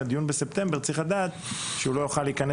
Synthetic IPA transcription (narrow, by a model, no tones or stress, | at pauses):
ad̪ijunbesept̪e̞mbe̞ʁt͡siχad̪aːt̪ʃeulo̞juχaliːkane